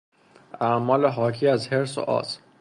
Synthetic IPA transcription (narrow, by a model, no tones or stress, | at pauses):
amɒːleɦɒːkʰiːæzheɾso̰ʔɒ̰ːs